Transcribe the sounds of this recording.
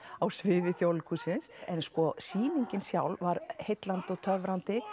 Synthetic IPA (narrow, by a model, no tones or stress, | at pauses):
awsvɪːðɪθjowlkʰusɪnsɛnskɔsiːniɲcɪnsjawlvaɾhejt̪lant̪ɪɔɣt̪ʰœvɾant̪ɪ